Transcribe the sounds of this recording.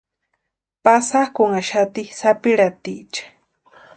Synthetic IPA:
pasakʊŋaʃat̪isapiɾat̪it͡ʃḁ

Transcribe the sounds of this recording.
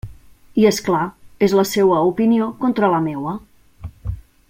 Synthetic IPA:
iesklaezləsewəupiniokont̪ɾələmewə

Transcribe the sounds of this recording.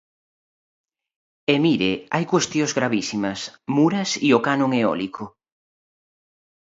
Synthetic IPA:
emiɾeajkwest̪jozɣɾaβisimɐsmuɾɐsiokanõŋeɔ̰likʰo

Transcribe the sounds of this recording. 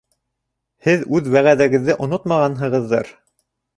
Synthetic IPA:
hɘðʉðwæʁæðæɡɘ̆ðːɘʔŏnot̪mɑʁɑnɦɤ̆ʁɤ̆ðːɤɾ

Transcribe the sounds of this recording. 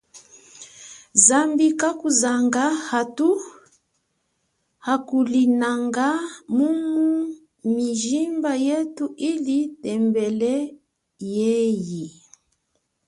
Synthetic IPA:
zambikakuzaŋɡahatu | hakulinaŋɡamumu | miʒimbajetuʔilitɛmbɛlɛ | jɛji

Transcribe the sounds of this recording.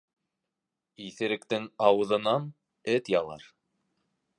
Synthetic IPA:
iθɘ̆ɾɘ̆kt̪ɘŋɑwɤ̆ðɤ̆nɑn | ɘt̪jɑlˠɑ̰ɾ

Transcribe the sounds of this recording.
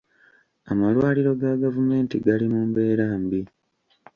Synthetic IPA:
amalwaːliɾo̞ɡaɡavume̞ːntiɡalimumbe̞ːɾaːmbi

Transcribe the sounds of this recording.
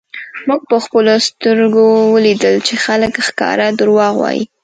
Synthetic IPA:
muɡ̚pəxpəlost̪əɾɡowəlid̪əlt͡ʃexaləkxkɑ̰ɾad̪əɾwɑɣwɑ̰jḭ

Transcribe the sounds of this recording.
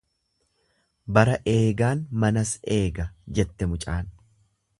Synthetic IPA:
bɐɾɐʔe̞ːɡaːnmɐnɐse̞ːɡɐd͡ʒɛt̪ːɛmʊt͡ʃʼaːn

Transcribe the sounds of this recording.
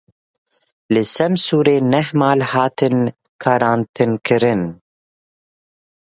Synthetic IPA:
lɨsɛmsuːɾeːnɛɦmaːlhɑːt̪ʰɨn | kʰaɾaːnt̪ʰɨnkʰɨɾɨn

